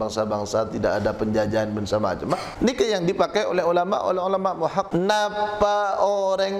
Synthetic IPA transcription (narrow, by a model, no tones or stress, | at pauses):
aŋsabaŋsat̪idakadapəɲd͡ʒad͡ʒaːnbənsama̰t͡ʃəma | nikajaŋdipakajo̰lɛɦulama̰ʔo̰lɛɦulamaʔmuɦak̚napaoɾɛŋ